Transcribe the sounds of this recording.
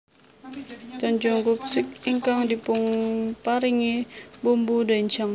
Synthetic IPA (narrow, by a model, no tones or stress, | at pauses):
t͡ʃɔɲd͡ʒɔŋkup̚sɪkiŋkaŋdipʊŋpaɾiŋebumbudaiɲt͡ʃaŋ